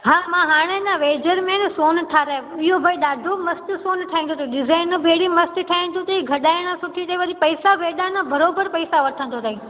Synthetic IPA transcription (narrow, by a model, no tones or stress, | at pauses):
ɦãːmãɦaːɽ̃enãʋeːd͡ʑəɾmẽnɪsoːnʈʰaːɾãɪɦobʱɐiɗaːd̪ʱomɐst̪ɪsoːnʈʰaːĩːnd̪ut̪ʰɗɪzaːɪnbʱeːɽimɐst̪ʈʰaːĩnd̪ũt̪ɐiɡʱɐɗaːɪɽ̃ãsʊʈʰit̪eiʋɐɗipɐɪsaʋeːɗanãbɐɾoːbəɾpɐɪsaʋɐʈ̪ʰə̃nt̪ʰot̪aɦĩː